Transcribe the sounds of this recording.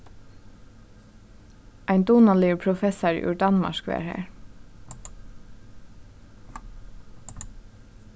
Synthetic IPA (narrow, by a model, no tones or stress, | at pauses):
ʔæɪnd̪uːnɑliːpʰɹʊfɛsɑɹ̰ʉ̰ːɹdɑnmɑ̰ʃkʋḛːɹhḛːɹ